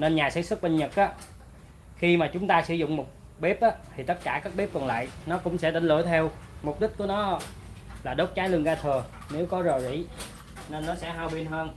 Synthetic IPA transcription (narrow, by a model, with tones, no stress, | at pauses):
ne˧nɲaː˨˩sɛ̰˧˥sɨ˦˥k̚ɓə˧nɲə˨˩k̚ʔaː˨˦ | xi˧maː˨˩t͡ɕʊ˨˦ŋ͡mt̪aː˧sɨ̰˧˩zʊ̰˧˨ŋ͡mmo˨˩t̚ | ɓe˦˥p̚ʔaː˨˦t̪ʰi˨˩t̪ə˦˥t̚kaː˧˩kaː˦˥k̚ɓe˦˥p̚kɔ˨˩nla̰ː˧˨jnɔ˨˦kʊ̰˧˥ŋ͡msɛ̰˧˥ɗ̪ï˧˩ŋ̟lɨ˧˩ət̪ʰɛ˧wmʊ˨˩k͡p̚ɗï˦˥t̟̚ku˧˩ənɔ˨˦ | laː˨˩ɗo˨˦˥t̚t͡ɕaː˨˦jlɨ˧əŋɣaː˧t̪ʰɨ˨˩ə | ne˨˦wkɔ˨˦zo˨˩jzḭ˧˩ | ne˧nːɔ˨˦sɛ̰˧˥ɦaː˧wɓi˧ənɦəː˧n